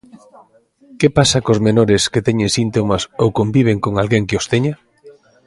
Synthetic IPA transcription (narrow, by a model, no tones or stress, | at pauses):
kepasakozmenoɾɪsket̪ɛɲẽŋsint̪omasowkombiβ̞eŋkoŋalɣeŋkɪost̪eɲa